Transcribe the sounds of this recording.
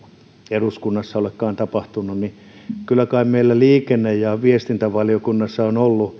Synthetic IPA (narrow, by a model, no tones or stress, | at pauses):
eruskunːɑsːɑolekːɑːnt̪ɑpɑht̪unːunni | kylːˑækɑimmeilːæliːkenːejjɑʋiest̪int̪æʋɑljokunːɑsːɑonolːu